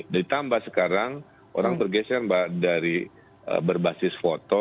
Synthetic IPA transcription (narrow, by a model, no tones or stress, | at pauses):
dit̪ambasəkaɾaŋ | o̰ɾaŋbərɡɛsɛrbadaɾi | ə̰bərbasɪsfot̪ɔ